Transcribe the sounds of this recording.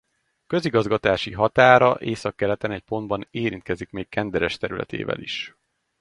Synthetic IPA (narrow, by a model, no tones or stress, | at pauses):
kø̞ziɡɒzɡɒt̪aːʃiɦɒt̪aːɾɒʔeːsɒkːɛɾɛt̪ɛnɛc̚po̞nd̪bɒneːɾint̪̚kɛzikmeːkːɛnd̪ɛɾɛʃt̪ɛɾylɛ̰t̪ḛːvɛ̰lḭʃ